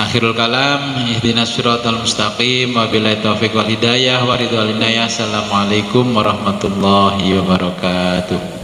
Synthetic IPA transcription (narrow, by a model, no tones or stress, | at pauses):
ʔaxiɾalkalamiht̪inasiɾɔt̪almust̪aqimwabilait̪ofikwalidajahwaɾid̪ɔalinajasalamalajkʊmwaɾɑhmat̪ulːɔɦiwabaɾɔkat̪uh